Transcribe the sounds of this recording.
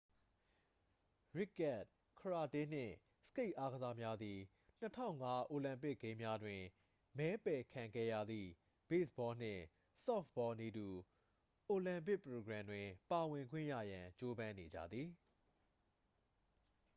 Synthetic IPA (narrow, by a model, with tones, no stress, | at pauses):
ɹɪ˦˨kːɛ˦˨t̚ | kʰəɹa˨tɪ̃˦˨n̥ɪ̰̃˦˨ | sə̥ke˦ɪʔa˦ɡəza˦mja˦d̪ði˨ | n̥ətʰã̰˦˨ʊ̃ŋa˦ʔo˨lã˨mpɪ˦ʔkːẽ˦mja˦dwɪ̃˨ | mɛ˨˦pɛ˨kʰã˨ŋɡɛ˦jä̰˦˨d̪ðḭ˨ | b̥e˦˨səbɔ˦n̥ɪ̰̃˦˨ | sɔ˦˨fbɔ˦ni˨du˨ | ʔo˨lã˨mp̬ɪ˦ʔpəɹo˨ɡɹã˨ndwɪ̃˨pa˨wɪ̃˨ŋɡwɪ̰̃˦˨jä̰˦˨jã˨t͡ɕo˦bã˦ne˨d͡ʑä̰˦˨d̪ði˨